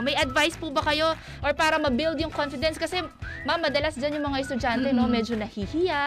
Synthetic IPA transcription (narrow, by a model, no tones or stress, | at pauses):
mɐjɐd̪vajspuːbɐkɐjo̞ | ʔoɹpaːɾɐmɐbild̪jʊŋkonfɪd̪ɛnskɐsɛmɐmɐd̪ɐlasd͡ʒanjʊŋmɐŋaʔɛst̪ʊd͡ʒant̪ɛno̞mɛd͡ʒo̞nɐhihɪja